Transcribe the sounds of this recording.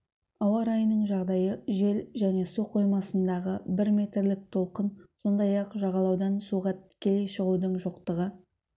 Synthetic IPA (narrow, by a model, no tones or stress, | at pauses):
ɑwɑɾɑjənəɴʒɑʁd̪ɑjəʒe̞lʒæne̞suqʰo̞jmɑsənd̪ɑʁəbɪɾme̞t̪ɾlɪk̚t̪ʰo̞lˠqənso̞nd̪ɑjɑqʒɑʁɑlˠɑwd̪ɑnsuʁɑt̪kʲʰejʃəʁud̪əɴʒoqt̪əʁə